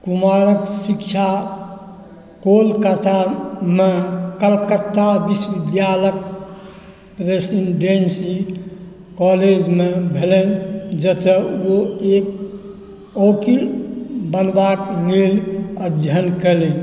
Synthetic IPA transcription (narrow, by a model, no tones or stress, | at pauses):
kumaɾəksikt͡ʃʰa | kolkət̪ʰamekəlkət̪ːabisʋid̪jalək̚ | pɾesiɖensi | kɔled͡ʒmebʱelend͡ʒət̪əoek̚ | okilbənbakniləd̪ʱjənkɛlen